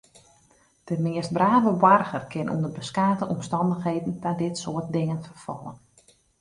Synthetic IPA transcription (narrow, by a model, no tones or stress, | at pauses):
d̥əmɪəst̚braːvəbarɣərkɪnʔṵndərbəskaːtəʔɔmstɑndəxɦeːdn̩tadɪtsoət̚dɪŋənfərfɔlˠə̰n